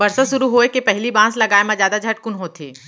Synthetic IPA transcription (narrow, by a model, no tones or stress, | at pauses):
bɐɾsasʊɾuɦoːekepɛɦlibãːslɐɡaːemãzjaːd̪ad͡ʒʱɐʈ̚kʊnɦot̪ʰḛː